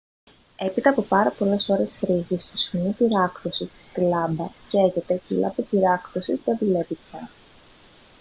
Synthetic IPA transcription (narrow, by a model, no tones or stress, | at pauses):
e̞pit̪ɐːpo̞pɐɾɐpo̞le̞so̞ɾe̞sfɾiʝist̪osinipiɾɐkto̞sit̪i̥st̪ilɐmbɐceʝe̞t̪e̞cilɐ̰pipiɾɐktosizðeðule̞vipçɐ